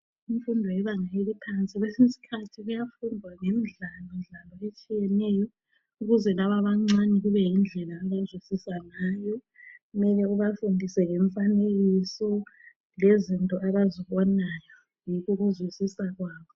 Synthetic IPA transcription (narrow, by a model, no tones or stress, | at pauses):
iɱfundʱɔjɛβaŋaelipʰant͡sʼiɣwesisi̥kʰatʰiɣujafundʱwaŋemiɮalɔnɮalɔet͡ʃʼijɛnɛjɔ | uɣuzɛlaβaβaŋ͡ǀanɛɣuβɛjind͡ɮʱɛlaːβazwisisanajɔ | ɣumɛlɛuβafundʱisɛŋɛɱfaneɣisɔ | lezintʼɔʔaβaziβɔnajɔ | jiɣuɣuzwisisaɣwaːβɔ